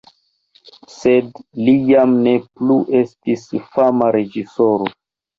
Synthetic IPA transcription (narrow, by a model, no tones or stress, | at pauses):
se̞dlijamne̞pluʔe̞stisfamaɾe̞d͡ʒiso̞ɾo